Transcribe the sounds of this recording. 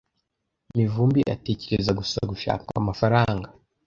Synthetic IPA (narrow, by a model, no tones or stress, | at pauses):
mivuːmbiʔa̰te̞ceɾezaɡusaɡuʃa̰ːkaamafaɾaːŋɡa